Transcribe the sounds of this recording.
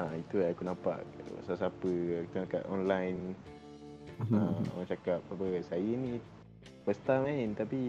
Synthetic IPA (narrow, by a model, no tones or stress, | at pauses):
ait̪uaakunãpa̰ʔsasapəkut̪naka̰ʔɔnlajn | a̰mãt͡ʃakap̚sapəsajəni | pəst̪amaɪnt̪api